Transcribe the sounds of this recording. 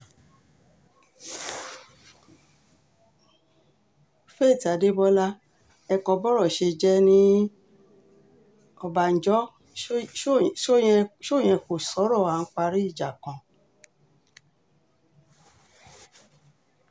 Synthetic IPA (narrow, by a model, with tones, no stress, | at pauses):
fe˦˨ti˨a˨de˦bɔ˦la˦ | ɛ˧kɔ˧bɔ˦ɾɔ˦˨ʃe˧d͡ʒɛ˦nĩ˦ | ɔ˧ba˨n̩˨d͡ʒɔ˦ | ʃo˦˨j̃ɛ̃˧ʃo˦˨j̃ɛ̃˧ko˨sɔ˨˦ɾɔ˦˨a˨˦k͡pa˧ɾi˦i˦˨d͡ʒa˨kã˧˨